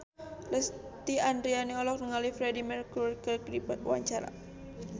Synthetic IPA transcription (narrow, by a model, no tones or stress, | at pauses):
ləst̪iandɾianiɔlɔk̚nəŋalifɾɛdimɛrkurkərkɾibat̪̚ṵwa̰ɲt͡ʃaɾa̰